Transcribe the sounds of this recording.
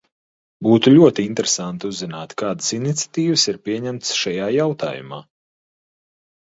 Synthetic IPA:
buːt̪ulʲuɔt̪iint̪ɾesant̪uzːinaːt̪kaːd̪ə̥sinit̪sʲḁt̪iːvəsiɾpʲiɛɲɛmt̪sʃajaːjawt̪a̰ːjṵma̰ː

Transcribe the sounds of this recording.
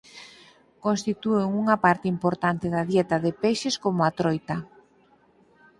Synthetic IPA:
kõnst̪it̪ueŋuŋɐpaɾt̪ɪimpoɾt̪ant̪ɪðaðjɛt̪ɐðepeʃeskomʊat̪ɾojt̪ɐ

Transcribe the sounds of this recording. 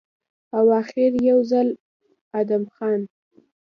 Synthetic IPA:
awɑxɪɾjawzal | ad̪amxɑn

